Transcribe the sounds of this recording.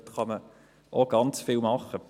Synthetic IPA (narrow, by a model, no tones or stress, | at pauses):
tχɑmə | ʔoɡ̥ɑnt͡sfɪlˠmɑχə